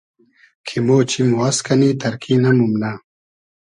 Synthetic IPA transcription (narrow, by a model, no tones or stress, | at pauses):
kʰimoːt͡ɕʰimwɐskɐnit̪ɐɾkʰinɐmumnaː